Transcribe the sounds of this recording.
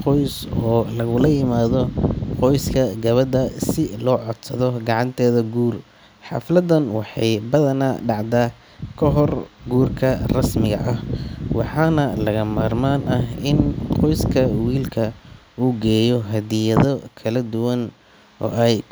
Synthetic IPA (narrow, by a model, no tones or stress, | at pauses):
qɔjsɔːlɐɣʊlɐjɪmaːðɔqɔjskʰɐɡɐβɐd̪ɐsɪlɔːʕɔd̪sɐðɔɡɑʕɑnt̪ʰɛːðɐɡuːr | ħɑ̰flɐd̪ɐnwɑħɑjbɐðɐnaɖɑʕd̪aː | kʰɔɦɔrɡuːrkʰɐrɐsmɪɣɐ̰ʔɐhwɑħɑːnɐlɐɣɐmaːrmaːnʔɐɦɪnqɔjskʰɐwiːlkʰɐ | uːɡɛːjɔɦɐd̪ɪjɐðɔkʰɐlɐd̪ʊwɐn | ɔ̰ːʔɛj